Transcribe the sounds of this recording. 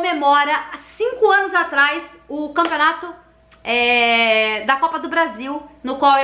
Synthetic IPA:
memɔɾɐsĩŋkʊɐ̃nʊzat̪ɾajs | ʊkɐ̃pionat̪ʊ | ɛ | d̪ɐkɔpɐd̪ʊbɾaziwnʊkwawe

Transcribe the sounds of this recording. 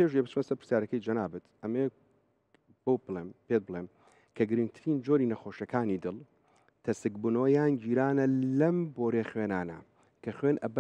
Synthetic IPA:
eʃebɨt͡ʃʰmɐsɐɾpɨɾ̥sjaːɾɐkɐjd͡ʒɐnaːbɨt̪ʔɐme | bɐwbɨlˠempet̪̚bɨlˠem | kʰɐɡɨɾɨŋɡ̚t̪ʰɨɾiːnd͡ʒoɾiːnɐxoːʃɐkʰaːnid̪ɨlˠ | t̪ʰɐsɨkbuːnɐwɐjaːnd͡ʒiːɾaːnɐlɐmboːɾexwenaːnɐ̰ | kʰɐxwenʔɐb

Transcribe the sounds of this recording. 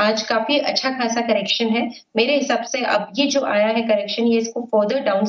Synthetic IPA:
aːd͡ʒkaːfiʔɐ̰tːʃʰaxaːsakɐɾɛːkʃənɦɛ | meːɾeɦɪsaːbseʔɐ̰bjed͡ʒoːʔaːjaɦɛkɐɾɛːkʃənjeɪskofəːɾd̪əɾɖaːʊ̃n

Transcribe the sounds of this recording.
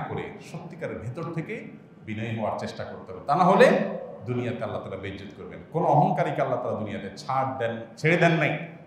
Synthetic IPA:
koɾḛʃott̪ːikaɾeɾbʱit̪oɾt̪ʰeke | binɔeɦɔaɾt͡ɕeʃʈakoɾt̪eɦɔbet̪anaɦoled̪unijat̪ealːat̪aɾabed͡ʑot̪koɾbenkonoɔɦɔŋkaɾikalːat̪aɾad̪unijat̪eɾt͡ɕʰaʈd̪ɛnt͡ɕʰeɾed̪ɛnːaj

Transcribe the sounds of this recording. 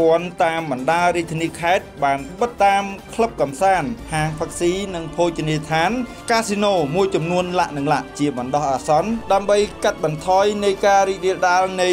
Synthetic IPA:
ŏənt̪aːmɓɑnɗaːəɾiəc̚t̪ʰːiəniːkʰaɛt̪̚ɓaːnɓət̪ːaːmkʰləp̚kɑmsaːnhaːŋpʰək̚siːnɨŋpʰoːc̚t͡ɕiniət̪ʰaːn | kaːsinoːmuəjt͡ɕɑmnuənlaʔnɨŋla̰ʔt͡ɕiəɓɑnɗɑhʔaːsɑnɗaəmɓəjkat̪̚ɓɑnt̪ʰɑːjnɨjkaːɾiːc̚riəlɗaːlnɨ

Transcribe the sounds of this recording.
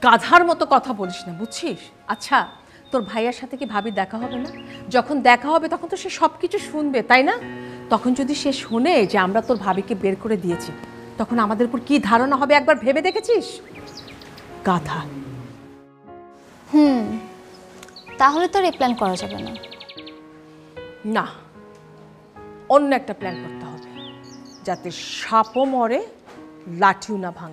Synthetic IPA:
ɡad̪ʱaɾmɔt̪okɔt̪ʰaboliʃnabud͡ʑt͡ɕʰiʃ | atːɕʰa | t̪oɾbʱajaɾʃat̪ʰekibʱabid̪ɛkʰaɦɔbenad͡ʑɔkʰond̪ɛkʰaɦɔbet̪ɔkʰont̪oʃeʃɔbkit͡ɕʰuʃunbet̪ajnat̪ɔkʰond͡ʑod̪iʃeʃhoned͡ʑeamɾat̪oɾbʱabikebeɾkoɾed̪ijet͡ɕʰi | t̪ɔkʰonamad̪eɾupoɾkid̪ʱaɾonaɦɔbeɛk̚baɾbʱebed̪ekʰet͡ɕʰiʃ | kat̪ʰa | hu | t̪aɦolet̪oɾeplɛnkɔɾad͡ʑabḛna̰ | na | onːoɛk̚ʈaplɛnkoɾt̪eɦɔbe | d͡ʑat̪eʃapomɔɾe | laʈʰiwnabʱaŋ

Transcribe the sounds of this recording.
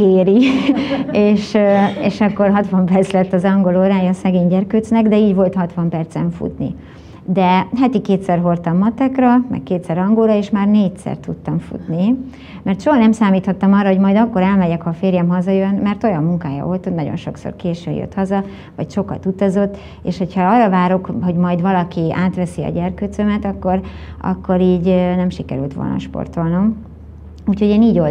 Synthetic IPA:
keːɾi | eːʃeːʃɒkːo̞rɦɒt̪ʋɒmpɛrt̪slɛt̪ːɒzɒŋɡo̞loːɾaːjɒːsɛɡeːɲɟɛrkøːt̪snɛɡd̪ɛiːɟvo̞lt̪hɒt̪ʋɒmpɛrt̪sɛɱfṵt̪nḭ | d̪ɛɦat̪ikeːt̪sɛrɦo̞rt̪ɒmːɒt̪ɛkrɒmɛ̰kkeːt̪sɛɾɒŋɡoːɾɒeːʃmaːrneːcsɛ̰rt̪ut̪ːɒɱfṵt̪ni | mɛrt̪ʃoɦɒnɛmsaːmiːt̪hɒt̪ːɒmɒrːɒɦo̞ɟmɒjd̪ɒkːo̞ɾɛlmɛɟɛkhɒfeːɾjɛmɦɒzɒjønmɛrt̪o̞jɒmːuŋkaːjɒ̰olt̪ot̪nɒɟo̞̰nʃo̞kso̰rkeːʃø̰jø̰t̪hɒzɒ | vɒcʃo̞kɒt̪ut̪ɒzo̞t̪ː | ḛːʃho̞cʰhɒɒːrɒvaːɾo̞kho̞ɟmɒjd̪ʋɒlɒkiaːt̪ʋɛsiɒ̰ɟɛrkøt̪sømɛt̪ɒkːo̞rɒ̰kːo̞ɾiːɟnɛmʃikɛɾy̰lt̪ʋo̰lnɒ̰ʃpo̞̰rt̪o̞lnom | uːcho̞ɟeːniːɟo

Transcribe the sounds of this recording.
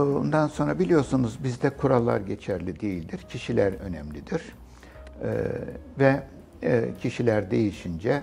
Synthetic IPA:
und̪anso̞nɾabilʲijo̞sunuzbizd̪ɛkʰuɾalˠːa̰ɾɟe̞t͡ʃʰæɾlʲid̪ejilʲd̪iɾcʰiʃilʲæɾø̞̰nɛmlʲid̪iɾ̥̰ | vɛ | cʰiʃilʲæɾd̪e̞jiʃind͡ʒɛ

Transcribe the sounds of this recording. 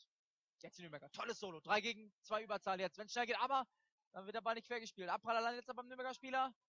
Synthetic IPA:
jɛt͡stinyːbɛɡɐtʰɔləsz̥oːlod̥ʁaɪɡeːɡŋ̩t͡sv̥aɪʔyːbɐt͡saːlənjɛt͡stvɛnsʃnɛlɡeːtʔaːbɐ | d̥anvɪɐt̚deːɐbalnɪçtfeːɐɡəʃpiːltʔap̚b̥ʁalalandəjɛtt͡sabaɪmnyːbɛɡɐʃpiːlɐ

